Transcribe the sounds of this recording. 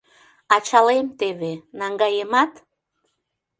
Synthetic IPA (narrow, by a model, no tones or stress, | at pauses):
ɑt͡ɕɑlemt̪eβenɑŋɡɑjemɑt̪